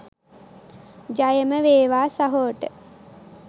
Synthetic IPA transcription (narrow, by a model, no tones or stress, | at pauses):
d͡ʒajəməʋeːʋaːsaɦoːʈə